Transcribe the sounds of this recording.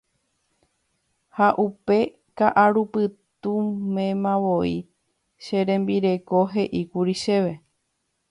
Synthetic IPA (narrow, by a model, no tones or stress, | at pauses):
haʔupe̞ | kaʔaɾupɨt̪umẽmãʋo̞i | ʃeɾẽ̞mbiɾe̞ko̞ɦe̞ʔikuɾiʃe̞ʋe̞